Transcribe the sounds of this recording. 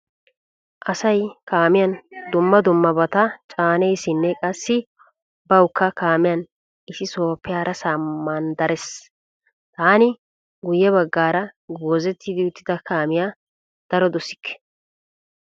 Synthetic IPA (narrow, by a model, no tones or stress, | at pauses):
ʔɐsɐjkaːmɪjɐnd̪ʊmːɐd̪ʊmːɐbɐt̪ɐt͡ʃʼaːnɛjsɪnːɛkʼɐsːɪ | bɐwʊkʰːɐkaːmɪjɐn | ʔɪsɪso̞ːpːɪjaːɾɐsamːand̪ɐɾɛs | t̪aːnɪ | ɡʊjːɛbɐɡːaːɾɐɡoːzɛt̪ːɪd̪ɪʊt̪ːɪd̪ɐkaːmɪjaː | d̪̥ɐɾɔd̪ɔsɪ̥kːɛ̥